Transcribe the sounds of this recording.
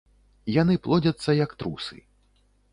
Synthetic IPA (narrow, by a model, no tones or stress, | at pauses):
janɨplˠɔd͡zʲɐt̪sːɐjɐkt̪ɾusɨ̰